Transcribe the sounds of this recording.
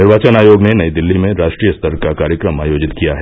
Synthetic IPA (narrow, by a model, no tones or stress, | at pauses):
nɪɾʋaːt͡ʃənaːjoːɡnenɐid̪ɪlːimẽɾaːʃʈɾijəst̪əɾkakaːɾjəkɾəma̰ːjoːd͡ʒɪt̪kijaɦɛ